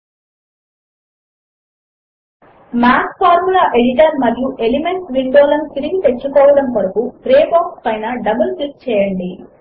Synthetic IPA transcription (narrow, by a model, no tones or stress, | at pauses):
maːspʰaːɾmulaːʔeɽiʈɐɾmɐɾjuʔe̞lime̞ɳʈsʋiɳɖɔːlɐmt̪iɾiɡit̪e̞t͡ʃːukɔːʋɐɽɐmʋɐɾɐkupɾeːbaːkspɐjnɐɖɐbɐlkik̚t͡ʃɛːjɐɳɖi